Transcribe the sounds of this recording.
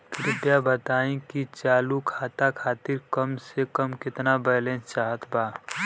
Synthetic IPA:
pʰɪɾɪʈ̪jabət̪aːĩkit͡ʃaːlukʰaːt̪akʰaːt̪iɾkəmsekəmkɪt̪nabɛːlẽnst͡ʃaːɦət̪ʰbaː

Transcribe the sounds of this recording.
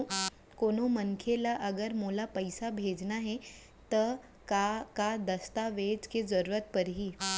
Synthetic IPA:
koːnoməŋkʰelaʔɐɡəɾmoːlapɐɪsabʱeːd͡ʒnaɦɛ | t̪ɐ | kakad̪ɐst̪aʋeːd͡ʒkezɐɾuːɾət̪̚pɐɾɦiː

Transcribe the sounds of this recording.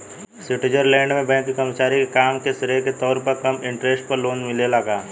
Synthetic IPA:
sɪʈɪd͡ʒəɾlɛ̃ːɳɖmẽbɛ̃ːŋkːikəɾmət͡ʃaːɾikekaːmkesɪɾeket̪ɔːɾpɐɾkɐmɪ̃ɳʈɾeːsʈpɐɾloːnmɪlelɐɡaː

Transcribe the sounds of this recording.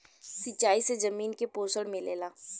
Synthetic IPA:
sɪt͡ʃːaːisezɐmiːnkepoːsəɽmẽlḛːlaː

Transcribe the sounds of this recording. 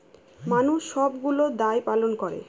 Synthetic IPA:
manuʃʃɔbɡulod̪ajpalonkoɾḛ

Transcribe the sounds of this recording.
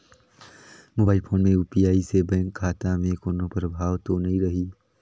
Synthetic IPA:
moːbaːɪilpʰoːnmẽuːpijaːisebɛ̃ːŋkʰːaːt̪amẽkoːnõpəɾbʱaːʋt̪onɐɦĩɾɐɦiː

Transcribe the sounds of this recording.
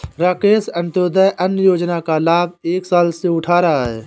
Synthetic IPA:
ɾaːkeːsə̃nt̪oːd̪əjʔənjəjoːd͡ʒnakalaːbeːksaːlseʊʈʰaːɾaɦaɦɛ̰ː

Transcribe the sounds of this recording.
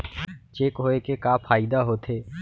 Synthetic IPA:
t͡ʃeːkɦoːekekaːpʰaːɪd̪aɦoːt̪ʰeː

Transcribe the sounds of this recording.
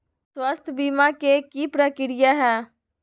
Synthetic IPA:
swəst̪ʰbiːmãːkeːkiːpɾakɪɾɪjaːɦɛː

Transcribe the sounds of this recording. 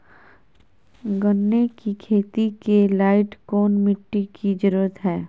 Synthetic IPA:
ɡənːekikʰeːt̪ikelaːɪʈkoːnmɪʈːikid͡ʒəɾuːɾət̪ɦɛː

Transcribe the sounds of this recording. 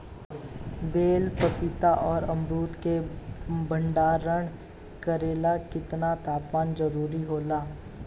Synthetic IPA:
beːlpəpɪt̪aʔɔːɾɐmɾuːt̪kebɐ̃ɳɖaːɾːəɽ̃ | kɐɾeːlakɪt̪nat̪aːpmaːnzɐɾuːɾiɦoːlaː

